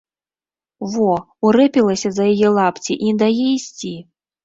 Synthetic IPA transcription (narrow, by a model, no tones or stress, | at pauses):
vɔ | uɾɛpʲilˠɐsʲɐzɐjajɛlˠapt͡sʲiʔinʲd̪ajɛisʲt͡sʲi